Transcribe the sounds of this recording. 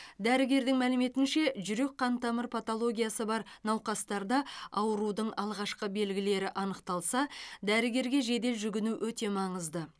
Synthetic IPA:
d̪æɾɪɡʲe̞ɾd̪ɪŋmælɪme̞t̪ɪnʃe̞ʒʏɾe̞k̚qʰːɑnt̪ɑməɾpʰat̪olˠo̞ɡʲijasəbɑɾnɑwqɑst̪ɑɾd̪ɑɑwəɾud̪əɴɑlˠʁɑʃqəbe̞lɡʲɪle̞ɾɪʔɑnəqt̪ɑlˠsɑd̪æɾɪɡʲe̞ɾɡʲe̞ʒe̞d̪e̞lʒʏɡʲɪnuwɵt̪e̞mɑɴəzd̪ə

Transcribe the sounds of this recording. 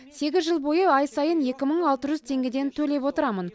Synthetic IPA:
se̞ɡʲɪzʒəlˠbo̞jəɑjsɑjənje̞kʲɪməɴɑlˠt̪əʒʏzt̪ʰe̞ŋɡʲed̪e̞nt̪ʰɵle̞p̬wot̪əɾɑmən

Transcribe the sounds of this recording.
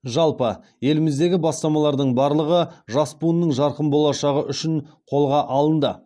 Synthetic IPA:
ʒɑlˠpə | je̞lɪmɪzd̪e̞ɡʲɪbɑst̪ɑmɑlˠɑɾd̪əɴbɑɾlˠəʁəʒɑspunːəɴʒɑɾqəmbo̞lˠɑʃɑʁəʔʏʃɪɴqʰo̞lˠʁɑʔɑlˠənd̪ə

